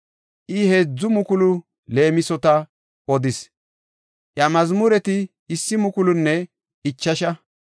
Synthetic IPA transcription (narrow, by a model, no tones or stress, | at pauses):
ʔɪheːd͡zːʊmʊkʊlʊ | le̞ːmɪsɔt̪ɐ | ɔd̪ɪs | ʔjɐmɐzmʊɾɛt̪ɪ | ɪsːɪmʊkʊlʊnːɛ | ɪt͡ʃːɐʃɐ